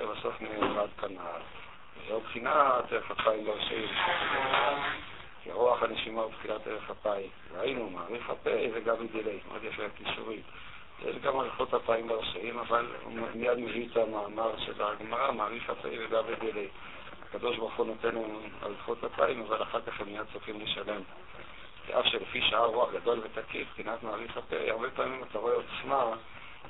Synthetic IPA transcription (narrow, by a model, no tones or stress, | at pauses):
ebaso̞fmevad̪kʰanal | vezaubχinateʁeχhapaimbeaʁʃa̰imiʃofadelean | kḭa̰ʁoaχaneʃimaubχinateʁeχapaimveainumaːʁiχa̰pejveɡambed̪ilejmʔo̰d̪jafeakiʃṵʁi | jḛʃɡamaʁiχotapaimbeaʁʃaimaval̰mijad̪meviːt̪amaːmaʁʃelaɡmaʁamaːʁiχa̰pḛjveɡabed̪ilej | ha̰kad̪o̞ʃbaʁuχunot̪e̞nnu | a̰ʁiχut̪hapa̰imavalaχaʁkaχemːijad̪̚t͡sofimleʃale̞m | vḛʔafʃelefiʃaaʁːuaχɡad̪o̞lve̞t̪akifkinat̪maːʁiχapḛjaʁbe̞paːmimat̪aʁoeot̪sma